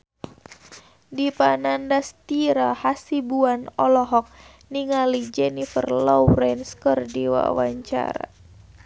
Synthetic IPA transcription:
dipanandast̪iɾahasibuanɔlɔɦɔk̚ | niŋalid͡ʒɛnifərlɔwɾɛnskərdiwa̰wa̰ɲt͡ʃa̰ɾa̰

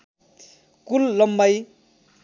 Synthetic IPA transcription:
kulːʌmbaj

